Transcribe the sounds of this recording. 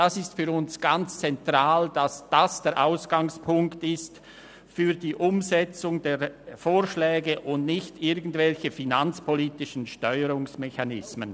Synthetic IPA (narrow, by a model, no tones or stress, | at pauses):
d̥asɪstfyːʁʊnsɡ̥ant͡st͡sɛntʁaːld̥asd̥asd̥ɛːɐɾʔaʊsɡ̥aŋspʰʊŋktɪst | fyːʁdiːʔʊmzɛt͡sʊŋdeːfoːʁʃlɛːɡəʔʊndnɪçtɪɐɡən̩dvɛlçəfinant͡spʰoliːtɪʃən̩ʃtɔʏəɾʊŋsmɛçanɪsmən